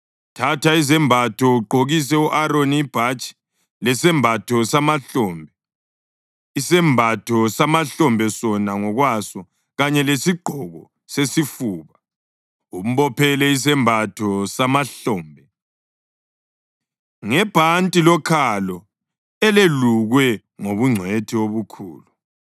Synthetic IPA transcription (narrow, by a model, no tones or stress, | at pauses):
tʰataizɛmbʱatʰɔuɡ͡ǃʱoɣis̬ɛuʔaɾoniːb̥ʱat͡ʃʼi̥ | lɛsɛmbʱatʰɔsamaɬɔːmbʱɛ | isɛmbʱatʰɔsamaɬɔmbʱɛsɔnaŋɔɣwasɔ | ɣaɲɛlesiɡ͡ǃʱɔɣɔ | sesifuːβa | um̩βɔpʰɛlɛis̬ɛmbʱatʰɔsamaɬɔːmbʱɛ | ŋɛb̥ʱantʼilɔkʰalɔ | ɛleluɣwɛ | ŋoβuŋ͡ǀʱwetʰioβukʰṵːlu